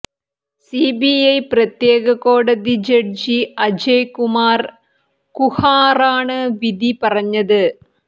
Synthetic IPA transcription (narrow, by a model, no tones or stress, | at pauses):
sibiɐjprɐt̪jeːɣɐkoːɽɐðid͡ʑeɽd͡ʑiɐd͡ʑejkumaːr | kuhaːraːɳɨʋid̪ipɐrɐɲːɐðɨ